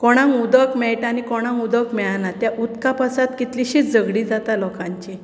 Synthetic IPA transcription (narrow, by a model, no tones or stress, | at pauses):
kɔɽ̃ãŋud̪əkmɛɭʈanikɔɽ̃ãŋud̪əkmɛɭanat̪jaʔut̪kapasat̪kit̪liɕit͡sd͡zəɡɽid͡zat̪alɔkãɲt͡ɕi